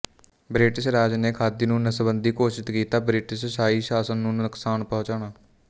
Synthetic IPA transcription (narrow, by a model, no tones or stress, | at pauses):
bɾɪʈɪsɾaːd͡ʒneːkʰaːd̪iːnũːnəsbənd̪iːkoːʃɪt̪kiːt̪aːbɾɪʈɪssaːiːʃaːsənːũːnəksaːɳpɔɦʊ̃t͡ʃaːɳaː